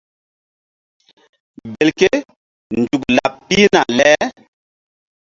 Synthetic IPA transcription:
be˨lke˦ | nd͡ʒu˨kla̰˨pːi˦na̰˨lɛ˦

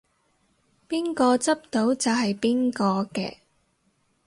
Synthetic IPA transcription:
piː˥nkɔː˧t͡sɐ˥p̚t̪o˨˥wt͡sɐ˨wɦɐ˨jpiː˥nkɔː˧kɛ̰ː˧

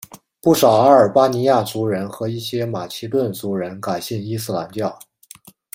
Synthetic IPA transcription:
pu˥˩ʂɑ˨˩ʊa˥ə˞˨˩pa˥ni˧˥ja˥˩t͡su˧˥ɻə˧˥nxɤ˧˥i˥˩ɕjɛ˥ma˨˩t͡ɕʰi˧˥t̪̬wə˥˩nt͡su˧˥ɻə˧˥nka˨˩ɪɕi˥˩ni˥sɹ̩˥˩la˧˥nt͡ɕjɑ˥˩ʊ

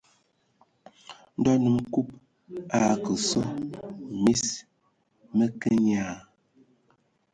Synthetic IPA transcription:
n̩˦dɔ˦nu˨mku˦p̚ | a˦˨kə˨so˦mi˦s | mə˦kə˦ɲaː˦˨

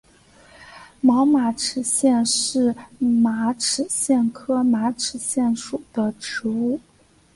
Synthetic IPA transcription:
mɑ˧˥ʊma˧˥ʈ͡ʂʰɻ̩˨˩ɕjɛ˥˧nʂɻ̩˥˩ma˧˥ʈ͡ʂʰɻ̩˨˩ɕjɛ˥˩nkʰɤ˥ma˧˥ʈ͡ʂʰɻ̩˨˩ɕjɛ˥˩nʂu˨˩d̪̥ə˦ʈ͡ʂɻ̩˧˥u˥˩

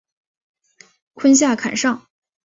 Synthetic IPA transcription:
kʰə˥nɕ̬ja˥˩kʰa̰˨˩nʂɑ˥˩ŋ

